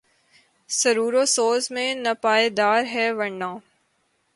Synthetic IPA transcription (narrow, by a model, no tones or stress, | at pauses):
sɐɾuːɾoːsoːzmẽnɐpaːed̪aːɾɦɛːʋɐɳːãː